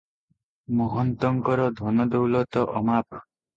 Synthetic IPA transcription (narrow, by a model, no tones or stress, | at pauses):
mɔɦɔnt̪ɔŋkɔɾɔd̪ʱɔnɔd̪owlɔt̪ɔʔɔmapʰ